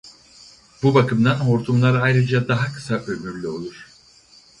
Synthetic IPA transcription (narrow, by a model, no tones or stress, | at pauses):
b̥ubakʰɯmd̪anɦo̞ɾt̪ʰumlˠaɾɯajɾɯd͡ʒad̪aɦakʰɯ̥saʔømyɾlʲyo̞lˠuɾ̥